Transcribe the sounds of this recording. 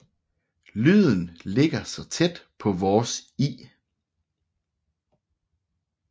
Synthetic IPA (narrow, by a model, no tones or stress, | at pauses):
lyð̰ˠn̩le̝ɡ̥ɐsɒ̽t͡sʰed̥pʰɒ̽ʋɒːsḭː